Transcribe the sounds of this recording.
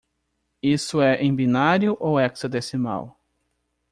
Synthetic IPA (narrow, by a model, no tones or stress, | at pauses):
isʊɛʔẽj̃binaɾjʊʔowɛksɐd̪esɪma̰w